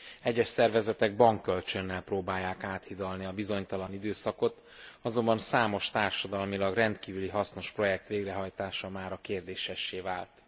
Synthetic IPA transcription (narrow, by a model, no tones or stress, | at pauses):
ɛɟːɛʃsɛrvɛzɛt̪ɛɡ̚bɒŋkːølt͡ʃø̞nːɛlproːbaːjːaːkaːt̪hid̪ɒlniɒbizo̞ɲt̪ɒlɒnid̪øːsɒko̞t̪ | ɒzo̞mbɒnsaːmo̞ʃt̪aːrʃɒd̪ɒlmilɒɡrɛnt̪kiːvyliɦɒsno̞ʃpro̞jɛk̚t̪ʋeːɡrɛɦɒjt̪aːʃɒmaːɾɒkeːrd̪eːʃɛʃːeːva̰ːlt̪